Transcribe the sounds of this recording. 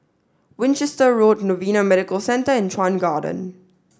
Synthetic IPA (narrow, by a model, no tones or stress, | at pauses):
wɪ̃nt͡ʃɛstəɹoːtnovĩːnamɛɾɪkəlsɛ̃ntəɪ̃ntʰɹãnɡaːdə̰̃n